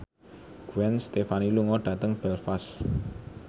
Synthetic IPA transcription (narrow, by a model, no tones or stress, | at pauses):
ɡ̥uɛnst̪efaniluŋɔɖ̥ä̤t̪əŋb̥ɛlfas